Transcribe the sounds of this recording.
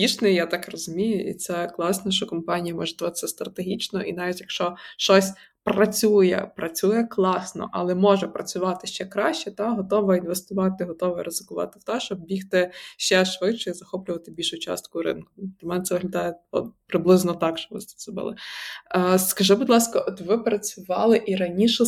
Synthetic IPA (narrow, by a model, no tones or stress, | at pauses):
bʲit͡ʃnɪjat̪ɑkrɔzʊmʲijʊʔḭt̪sɛklˠɑsnɛʃt͡ʃɔkɔmpɑnʲijɐmɔʒɛd̪ɐʋɑt̪ɪ̥sʲɛst̪ɾɐt̪eɦʲit͡ʃnɔʔḭnɑʋʲitʲjɐkʃt͡ʃɔʃt͡ʃɔsʲ | prɐt͡sʲujɛ̰pɾɐt͡sʲujɛklˠɑsnɔ̰ʔɐ̰lˠɛmɔʒɛpɾɐt͡sʲʊʋɑt̪ɪʃt͡ʃɛkɾɑʃt͡ʃɛt̪ɑɦɔt̪ɔʋɔinʋest̪ʊʋɑt̪ɪɦɔt̪ɔʋɔɾezɪkʊʋɑ̰t̪ɪwt̪ɛʃt͡ʃɔbbʲixt̪ɪʃt͡ʃɛʃʋɪt͡ʃɔizɐxɔplʲʊʋɐt̪ɪbʲilʲʃʊt͡ʃɑ̰st̪̚kʊɾɪ̰nkʊ̥ɐmɛnɛt̪sɛʋɪɦlʲɐd̪ɑjɛɔ̰t̪pɾɪblˠɪznɔt̪ɑkʃt͡ʃɔbʋɪsɛ̥ɔbɪ̰lˠɪ̰ | skɐʒɪbud̪lˠɑskɐʔɔt̪ʋɪpɾɐt͡sʲʊʋɑ̰lˠɪʔiɾɐnʲiʃɛ